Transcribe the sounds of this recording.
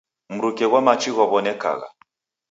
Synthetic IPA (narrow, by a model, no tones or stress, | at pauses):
m̩ɾukɛɣwamat͡ʃiɣɔβɔnɛka̰ɣa̰